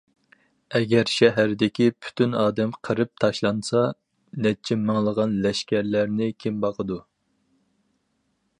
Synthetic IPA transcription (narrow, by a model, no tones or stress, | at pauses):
ɛɡʲɛɾʃɛɦæɾd̪ɪkʲipʰy̥t̪ʰynɑːd̪ɛmqʰəɾɨp̚t̪ʰɑʃlˠɑnsɑ | nɛt͡ʃʰɛmɑŋlˠəʁɑnlɛʃkʲæɾlæɾnɪkʲʰembɑqʰəd̪u